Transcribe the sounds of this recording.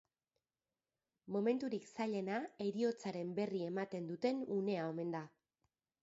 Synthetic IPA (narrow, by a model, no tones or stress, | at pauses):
mo̞me̞nt̪uɾiksaʎe̞nae̞ɾio̞t͡saɾe̞mbe̞rie̞mat̪e̞nd̪ut̪e̞nune̞ao̞me̞nd̪a